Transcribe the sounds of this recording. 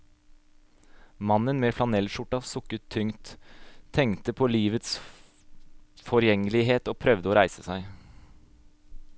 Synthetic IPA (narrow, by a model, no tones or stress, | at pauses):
mɑnənmeːflɑnɛlʃʊʈɑʋsʊkət̪ʰːʏŋt̪ʰː | ɛŋt̪əpʰoːliːʋət̪s | fɔɾjɛŋəlɪɦeːt̪oːpʰɾœʋd̪əoːɾæɪsəsæɪ